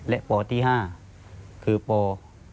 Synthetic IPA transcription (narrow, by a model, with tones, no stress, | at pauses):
lɛ˦˥ʔpɔː˧t̪ʰiː˥˩ɦaː˥˩ | kʰɯː˧pɔː˨˧